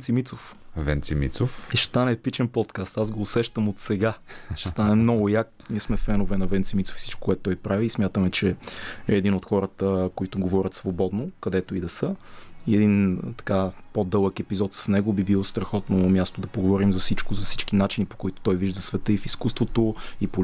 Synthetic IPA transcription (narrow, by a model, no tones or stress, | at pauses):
t̪simit̪sof | vɛnt̪simḭt̪sofɛʃt̪anɛpit͡ʃɛnpɔt̪kast̪azɡoːsɛʃt̪əmot̪sɛɡaʃɛ̥st̪anɛmnɔɡʊjak | niəsmɛfɛnovɛnɐvɛnt̪simit̪so̥fi̥si̥t͡ʃko̥kʊɛt̪ːt̪ɔjpɾaviːsmjat̪əmɛt͡ʃɛɛːd̪inot̪xɔɾət̪əkoit̪ʊɡovɔɾʲət̪svobɔd̪nokɐd̪ɛt̪oid̪ɐsəiɛd̪int̪ɐ̥kapod̪ɤlˠəkɛpizɔt̪sə̥snɛɡobibilˠost̪ɾɐxɔt̪nɐmʲjast̪oʊd̪ɐpoɡovɔɾimzɐfsit͡ʃkʊzɐfsi̥t͡ʃk̟inat͡ʃinipo̥koit̪o̥t̪ɔjviʒd̪ɐsvɛt̪əifiskust̪vot̪oipo